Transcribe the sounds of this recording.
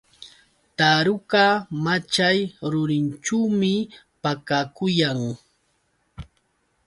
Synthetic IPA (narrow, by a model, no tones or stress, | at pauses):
t̪aɾʊkamat͡ʃajɾʊɾɪnt͡ʃuwmɪ | pakakʊjaŋ